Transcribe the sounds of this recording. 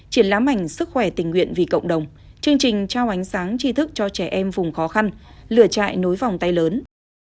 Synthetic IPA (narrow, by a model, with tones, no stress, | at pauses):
t͡ɕi˧˩ənlaː˨˦mːa˨˩jŋ̟sɨ˦˥k̚xwɛ˧˩t̪ï˨˩ŋ̟wḭ˧˨ənvi˨˩kə̰˧˨wŋ͡mɗə˨˩wŋ͡m | t͡ɕɨ˧əŋt͡ɕï˨˩ŋ̟t͡ɕaː˧wʔa˨˦jŋ̟saː˨˦ŋt͡ɕi˧t̪ʰɨ˦˥k̚t͡ɕɔ˧t͡ɕɛ˧˩ʔɛ˧mvʊ˨˩ŋ͡mxɔ˨˦xa˧nlɨ̰˧˩ət͡ɕa̰ː˧˨jno˨˦jva˨˩wŋ͡mt̪a˧jləː˨˦n